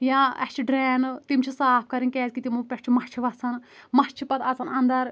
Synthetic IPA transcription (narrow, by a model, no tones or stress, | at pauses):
jãːɐst͡ʃʰiɖɾɛːnt̪imt͡ʃʰisaːp̚ʰkɐɾinkɛːzkit̪imupʲɐʃt͡ʃʰimɐt͡ʃʰiʋɐsɐnmɐt͡ʃʰipɐt̪ʰɐsɐnɐnd̪ɐɾ